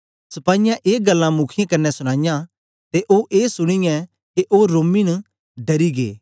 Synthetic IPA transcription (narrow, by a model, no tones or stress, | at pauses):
sɐpaːɪjãʔeːɡɐlːãmʊkʰɪjãkɐnːɛsʊɽ̃ãːɪjã | t̪eʔoːʔeːsʊɽ̃ɪjɛ̃ | keʔoːɾoːminɐ | ɖɐɾiɡḛː